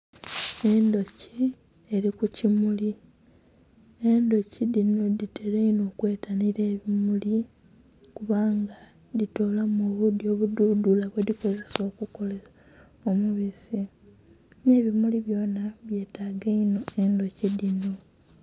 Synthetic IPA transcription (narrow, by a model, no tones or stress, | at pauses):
e̞ndo̞ci | e̞ɾikucimuli | e̞ndo̞cidinoditʰe̞ɾeino̞ːkwe̞ːtʰaniɾe̞ːβimuli | kuβaːŋɡa | ðitolamoβudjo̞ːβududulaβweðiko̞ze̞so̞ːkuko̞lea | omuβisi | ne̞ːβimuliβjo̞ːnaβje̞ːtaːɡeino̞e̞ndo̞cidino̞